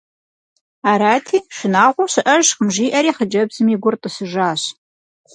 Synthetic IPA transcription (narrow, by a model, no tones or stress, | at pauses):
aːɾaːtʰiːʃɪnaːʁʷʊɕɨʔɐʒqəmʒiːʔɐɾiːχəd͡ʒɐbzɨmiːɡʷʊrtʼəsɨʒaːɕ